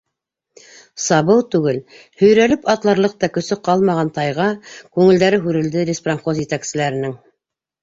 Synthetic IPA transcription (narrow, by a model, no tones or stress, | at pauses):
sɑβɤwt̪ʉɡɘl | hɵ̆jɾælɘpɑt̪lˠɑɾlˠɤq̚t̪ɑkɵ̆sɵqɑlˠmɑʁɑnt̪ɑjʁɑkʉŋɘ̆ld̪æɾɘɦʉɾɘ̆ld̪ɘɾʲɪspranχozjɘ̆t̪æksɘ̆læɾɘ̆nɘŋ